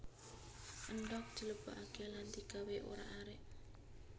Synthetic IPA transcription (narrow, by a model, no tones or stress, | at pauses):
ʔənɖɔk̚d̪̥i̤ləb̥a̤ʔakelant̪iɡ̥a̤weʔo̰ɾa̰ʔaɾeʔ